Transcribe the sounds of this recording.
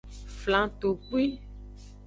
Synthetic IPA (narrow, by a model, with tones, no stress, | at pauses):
flã˨t̪o˨k͡pi˦